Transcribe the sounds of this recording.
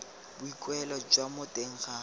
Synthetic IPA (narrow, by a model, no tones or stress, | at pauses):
bʊikʼwɛlɔd͡ʒwamʊtʼeŋ̩χa